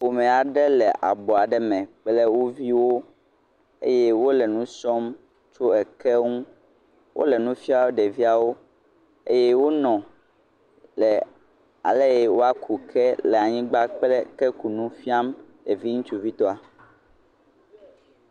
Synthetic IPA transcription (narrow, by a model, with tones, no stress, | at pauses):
wo˨mɛ̃˨a˨ɖɛ˦lɛ˨ʔa̰˨bɔ˨a˨ɖɛ˦mɛ̃˨k͡plɛ˦wo˦vi˦wo˦ | ḛ˦jɛ˦wo˦lɛ˨nũ˦sɔ˦m | t͡ʃo˦ɛ˨kɛ˦ŋũ˦ | wʔo̰˦lɛ˨nũ˦fi˦a˦wo˦ɖɛ˨vi˦a˨wo˦ | ḛ˦jɛ˦wo˦nɔ̃˨ | lɛ˨ | a̰˨lɛ˦jɛ˨wo˦a˦kʰu˨kʰɛ˦lɛ˨a˨ɲĩ˦ɡ͡ba˦k͡plɛ˦kɛ˦ku˨nũ˦fi˦a˦mɖɛ˨vi˦ŋũ˦t͡ʃu˦vi˦t̪ɔ˦a˨